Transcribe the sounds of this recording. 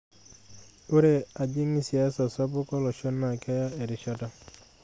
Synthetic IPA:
u˦ɾe˦a˨d͡ʒi˦ŋi˦si˨a˦sɔ˨sɔ˦bʊ˦kɔ˦lɔ˨ʃɔ˦nːa˨ka˦ja˦e˨ɾɪ˨ʃɔ˦ta˦

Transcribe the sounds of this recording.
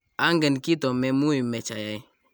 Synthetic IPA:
a˦ŋɡɛ˨nki˦tɔ˨mɛ˨mu˦i˨mɛ˨t͡ʃa˨ja˨j

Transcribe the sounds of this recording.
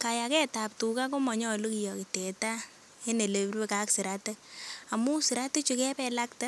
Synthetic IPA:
ka˨ja˨kɛ˦ta˨p̚tu˨ka˦ko˦mɔ˨ɲɔ˦˨lo˦ki˨jɔ˨ki˨tɛ˨ta˦ | e˦ne˨le˨˦rwe˦ka˦ksi˨ɾa˦te˦ka˨mu˦si˨ɾa˦te˦t͡ʃu˧kɛ˦pɛ˧la˦kta˦

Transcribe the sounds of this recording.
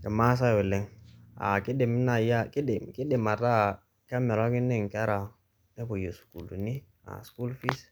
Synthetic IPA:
ke˨ma˦s̬a˦we˨le˦˨ŋa̰˨ke˦de˨mi˦na˨ja˦ki˦de˨ki˦ɗe˨ma˨ta˦ | ka˦me˨ɾa˦ki˦ne˦ŋ˨ka˦ɾa˨ | ne˦bo˨jo˨su̥˨ku˨lu˨ni˦ | a̰˨sku˦lfi˦s

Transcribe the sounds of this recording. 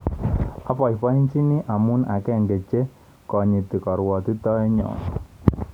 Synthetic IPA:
a˦pɔ˨i˨pa˦i˦nt͡ʃi˦ni˦ʔa˨mu˦na̰˨kɛ˦˨ŋɡe˨t͡ʃe˦ | kɔ˨ɲi˨ti˨kɔ˨ɾwɔ˨ti˦tɔ˦ɛ˦ɲɔ̰˨n˨

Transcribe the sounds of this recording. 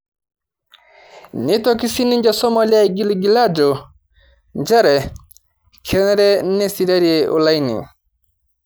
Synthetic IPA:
ni˦tɔki˦si˦ni˦ɲd͡ʒasɔ˦mɔ˨lja˦ɡi˦li˨ɡi˨la˦d͡ʒɔ˨ | nd͡ʒa˦ɾɛ˨ | kʰɛ˨nɛ˦ɾɛ˦nɛ˦si˨ɾa˦ɾiɛʔṵ˨la˦jnḭ˨

